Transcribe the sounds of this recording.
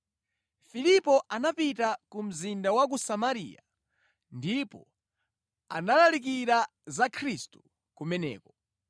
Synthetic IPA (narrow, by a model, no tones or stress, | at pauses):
filipɔʔanapitakum̩zindawak̬usamaɾḭja̰ | ndipɔ | a̰nalalik̬iɾa | zakʰɾistu̥ | kumɛnɛ̰ːkɔ